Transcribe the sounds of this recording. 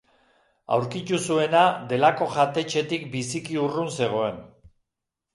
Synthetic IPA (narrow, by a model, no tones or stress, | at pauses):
a̰wɾkit̪usue̞nad̪e̞lako̞ʝat̪e̞t͡ʃe̞t̪ikbisikiurunse̞ɣ̞o̞e̞n